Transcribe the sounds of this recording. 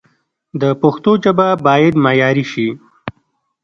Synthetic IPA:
d̪əpʊxt̪od͡ʒababɑːjad̪mɑjɑːɾiʃi

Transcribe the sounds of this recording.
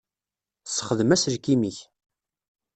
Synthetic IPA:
sːə̥χəðəmæsɾkimiç

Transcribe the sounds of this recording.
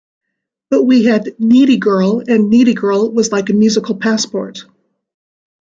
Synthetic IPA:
b̥ʌt̚wiɨdniɾiɡɜ˞lˠɨ̃nːiɾiɡɜ˞lˠwʌzlaɪkɨmjʉzɨkl̩ˠpʰæspɔ̰ɹt̚

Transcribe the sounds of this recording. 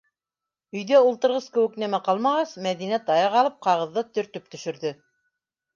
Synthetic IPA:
ɵ̆jðæulˠt̪ɤ̆ɾʁɤskɘ̆wɘ̆knæmæqɑlˠmɑʁɑsmæðinæt̪ɑjɑʁɑlˠɤp̚qɑʁɤ̆ðːɤt̪ɵ̆ɾt̪ɵp̚t̪ɵ̆ʃɵ̆ɾðɘ

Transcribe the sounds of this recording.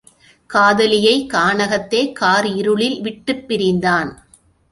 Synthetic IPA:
kaːðɐlɪjɐɪkaːɳɐɣɐt̪ːeːkaːɾɪɾɯɭɪlʋɪʈːɯpːɪɾɪnd̪aːn

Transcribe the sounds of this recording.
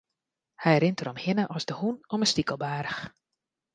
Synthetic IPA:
hɛjɾɪntəɾɔmhɪnəʔɔsdəhunɔməstikəlˠbaːɾəx

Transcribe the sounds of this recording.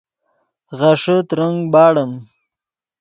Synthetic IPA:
ɣaʂət̪ɾəŋɡbɑːɽəm

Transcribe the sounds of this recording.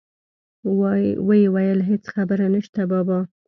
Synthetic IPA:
wəjewajəlɦet͡sxabəɾanəʃt̪abɑbɑ

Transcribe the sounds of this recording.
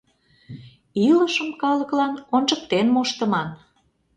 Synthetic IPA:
iləʃəmkɑlə̆klɑnont͡ʃək̚t̪enmoʃt̪ə̆mɑn

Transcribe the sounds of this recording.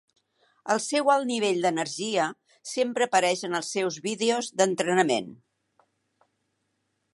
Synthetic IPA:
əlˠsɛwalˠniβ̞eʎd̪ənəɾʒiə | sempɾəːpəɾɛʃənəlˠsːɛwzβiðeozd̪ənt̪ɾənəmen

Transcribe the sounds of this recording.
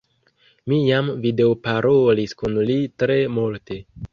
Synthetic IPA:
mijamvide̞opaɾoliskunlitɾe̞multe̞

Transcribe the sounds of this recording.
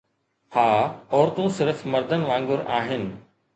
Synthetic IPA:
haːɔːɾt̪ũsɪɾfmɐɾd̪ʱənɪ̆ʋãːŋɡʊɾaːɦɪnɪ̆

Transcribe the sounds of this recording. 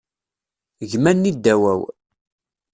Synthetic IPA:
ʝmænːid̪ːæwæw

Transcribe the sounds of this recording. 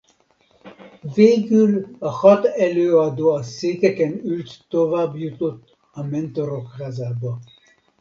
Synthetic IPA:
veːɡylɒhɒt̪ɛløːɒd̪oːɒseːkɛkɛnylt̪ːovaːbjut̪ot̪ː | ɒmɛnt̪o̞ɾokraːzaːbɒ

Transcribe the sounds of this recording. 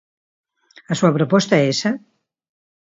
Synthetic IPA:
ɐsuɐpɾopɔst̪aɛesɐ

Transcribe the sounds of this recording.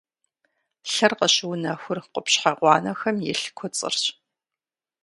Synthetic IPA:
ɬɐrqəɕɪwnɐxʷʊrqʷʊpɕħaʁʷɑːnɐxɐmjɛ̰ɬkʷʰɔt͡sʼɨ̰rɕʼ

